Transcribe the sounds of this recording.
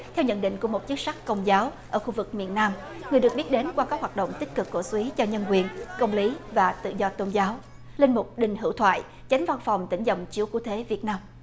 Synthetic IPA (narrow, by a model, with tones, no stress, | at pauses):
t̪ʰɛ˧wɲə̰˧˨nɗḭ̈˧˨ŋ̟ku˧˩əmo˨˩t̚t͡ɕɨ˦˥k̚sa˦˥k̚kə˧wŋ͡mzaː˨˦wʔəː˧˩xu˧vɨ˨˩k̚mḭ˧˨ənːaː˧m | ŋɨ˨˩əjɨ˨˩ək̚ɓi˦˥t̚ɗe˨˦nkwaː˧kaː˦˥k̚hwaː˨˩ɗo̰˧˨wŋ͡mt̪i˦˥k̚kɨ˨˩kːṵ˧˩swi˨˦t͡ɕɔ˧ɲə˧nkwi˨˩ənkə˧wŋ͡mli˨˦vaː˨˩t̪ɨ̰˧˨zɔ˧t̪o˧nzaː˨˦w | lï˧nmʊ˨˩k͡p̚ɗï˨˩ŋ̟ɦɨ̰˧˥˩wt̪ʰwa̰ː˧˨j | t͡ɕa˨˦ŋ̟va˧nfa˨˩wŋ͡mt̪ï˧˩ŋzə̰˧˨wŋ͡mt͡ɕi˨˦əwkṵ˧˥t̪ʰe˨˦vi˨˩ət̚naː˧m